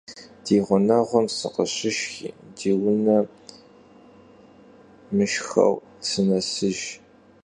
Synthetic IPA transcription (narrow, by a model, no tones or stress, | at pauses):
d̥iːʁʷʊnɐʁʷɔmsɨ̰qəɕɪʃxḭːdiːwʊnɐ | mɨʃxɐ̰w | t͡sʰɨnɐsɨʒ